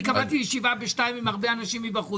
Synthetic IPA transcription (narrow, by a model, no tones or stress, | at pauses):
kavatijiʃivabeʃtajmimaʁbeanaʃimibaχu